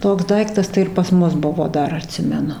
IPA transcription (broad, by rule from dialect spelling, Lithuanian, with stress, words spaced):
ˈtoːks ˈdɐɪktɐs tɐɪ ɪr pɐs ˈmʊs ˈbʊʋoː ˈdɐr ɐˈtʲsʲɪmʲɛnʊ